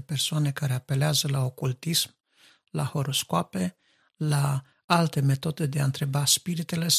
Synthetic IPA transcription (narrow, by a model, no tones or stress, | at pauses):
persoane̞kaɾe̞ape̞leazəlao̞kult̪ism | laho̞ɾo̞skoape̞ | la | alt̪e̞me̞t̪o̞d̪ed̪eaɨnt̪ɾe̞baspiɾit̪ele̞